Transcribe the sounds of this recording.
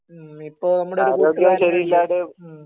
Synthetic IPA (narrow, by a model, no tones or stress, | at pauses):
ipːoːɭnɐmːuɽeaɾiːkːɾo̞ːɡjɐɐmɕɐɾiilːaːɽɨ